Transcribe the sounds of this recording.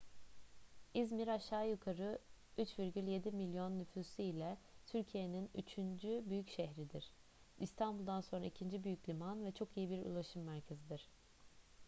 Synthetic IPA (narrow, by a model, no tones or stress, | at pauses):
izmiɾaʃːaːjukʰaɾɯyt͡ʃviɾɟylʲje̞d̪imilʲjo̞nːyfyːsiilʲɛt̪ʰyɾcʰije̞niny̰t͡ʃʰynd͡ʒybyjycʃɛɦɾid̪iɾ̥ | ist̪ʰanbulˠd̪anso̞nɾa̰icʰind͡ʒibyjycʰʲlʲimanvɛt͡ʃʰo̞kijibiɾṵlˠaʃɯmːæɾcʰe̞zid̪iɾ̝̥